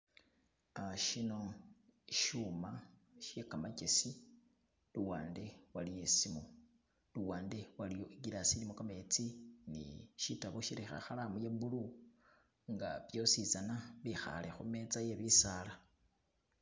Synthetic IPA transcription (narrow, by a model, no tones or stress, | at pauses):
aʃino̞ | ʃumaʃekamacesi | luwaːnde̞walijesimo | luwaːnde̞walijoʔiɡiɾasilimokamet͡sinḭʃitaβoʃiɾixa̰xalamujembulu | ŋɡa̰βjo̞sizanaβixa̰lexumet͡sajeβisala